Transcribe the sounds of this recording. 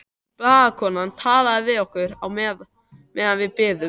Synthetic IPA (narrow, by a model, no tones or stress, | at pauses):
plaːðakʰɔːnant̪ʰaːlaðɪvɪðɔhkʏɾawmɛːð | mɛːðanvɪðpɪːðʏ